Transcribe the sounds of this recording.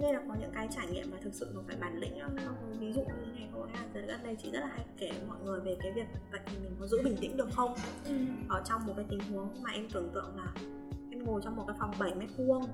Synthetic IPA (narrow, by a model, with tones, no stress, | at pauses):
ne˧laː˨˩kɔ˨˦ɲɨ̰˧˥ŋkaː˨˦jt͡ɕaː˧˩jŋḭ˧˨mːaː˨˩t̪ʰɨ˨˩k̚sɨ̰˧˨kɔ˨˩faː˧˩jɓaː˧˩nlḭ̈˧˥ŋ̟ɗɔ˨˦n˨˦nɔ˨˦kvi˨˦zṵ˧˨˧ɲɨ˧˦ŋa˨˩jɗo̰˧˩zaː˧˩˨ə˨˦˨a˦˥n̚ɗə˧jt͡ɕi˧˩zə˦˥t̚laː˨˩ɦa˧jkɛ˧˩mɔ̰˧˨jŋɨ˨˩əjve˨˩kaː˨˦jvi˨˩ək̚və̰˧˨jt̪ʰi˨˩mï˨˩ŋ̟kɔ˨˦zṵ˧˥ɓï˨˩ŋ̟t̪ḭ˧˥ŋ̟ɗɨ˨˩ək̚xə˧wŋ͡mʔəː˧˩t͡ɕɔ˧wŋ͡mmo˨˩kaː˨˦jt̪ï˨˩ŋ̟hu˨˦əŋkŋ͡mmaː˨˩ʔɛ˧mt̪ɨ˧˩əŋt̪ɨ̰˧˨əŋlaː˨˩ | ʔɛ˧mŋo˨˩t͡ɕɔ˧wŋ͡mm˨˩t̚kaː˨˦jfa˨˩wŋ͡mɓə˧˩jmɛ˦˥t̚mu˧əŋ